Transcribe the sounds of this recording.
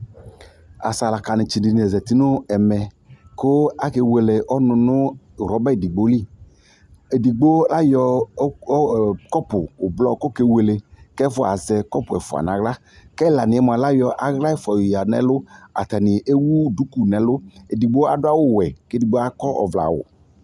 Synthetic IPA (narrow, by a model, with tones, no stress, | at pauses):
a̰˨sa˨la˨ka˨nɪ˨t͡ʃi˨di˨ni˨ɛ˨zɛ˨ti˦nʊ˦ɛ˨mɛ˨ | kʊ˦a˦ke˧we˨le˨ʔɔ˦nʊ̃˨˧nʊ˦˨ | ɾɔ˨˦bɛ˦e˨di˨ɡ͡bo˦li˦˨ | e˨di˨ɡ͡bo˦la˦jɔ˧˦ | kɔ˦pʊ˨ʊ˨blɔ˦kʊ˦ke˦we˨le˨kɛ˦fʊ˦a̰˨zɛ˨kɔ˦pʊ˨ɛ˨fʊ˨a̰˨nã˨˦ɣla˦ | kɛ˦˨la˨nɪ˨ɛ˦m˨a˨la˦jɔ˧ʔa˨˦ɣla˦ɛ˦fɔ˨ja˨nɛ̰˨˦lʊ˦a̰˨ta˨nɪ˨ʔe˦wu˦du˨˦ku˨nɛ˨lʊ˦e˨di˨ɡ͡bo˦a˨dʊ˦a˦wʊ˦wɛ˨ke˦di˨ɡ͡bo˦a˦kɔ˦ʔɔ̰˨vla̰˨wʊ̰˨